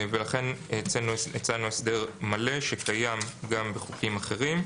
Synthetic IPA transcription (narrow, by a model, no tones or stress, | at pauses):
ve̞laχe̞nt͡senuet͡sanuesde̞ʁmale̞ʃe̞kajamɡambeχukimaχe̞ʁim